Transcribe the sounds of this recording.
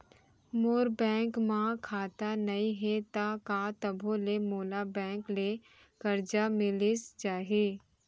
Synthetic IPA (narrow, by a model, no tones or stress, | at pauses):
moːɾbɛ̃ːŋkmãkʰaːt̪anɐĩɦɛt̪akaːt̪ɐbʱolemoːlabɛ̃ːŋkle | kɐɾd͡ʒamɪlist͡ʃaːɦiiː